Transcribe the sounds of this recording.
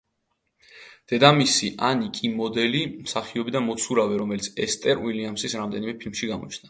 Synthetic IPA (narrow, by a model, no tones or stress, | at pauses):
d̪̥ɛd̪amisiʔanikʼimɔd̪ɛlimsaχiɔbid̪amɔt̪sʰuɾavɛɾɔmɛlit̪sʰɛst̪ʼɛɾwiliamsisɾamd̪ɛnimɛpʰilmʃiɡamɔ̰t͡ʃʰna